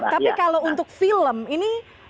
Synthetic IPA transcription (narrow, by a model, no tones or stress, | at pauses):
t̪apikalount̪ʊk̚filəmini